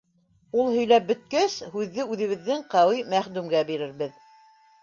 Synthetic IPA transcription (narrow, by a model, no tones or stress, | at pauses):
ulˠhɵ̆jlæp̚bɵ̆t̪̚kæshʉðːɘʉðɘ̆βɘ̆ðːɘŋqɑwijmæχd̪ʉmɡæbiɾɘɾβɘð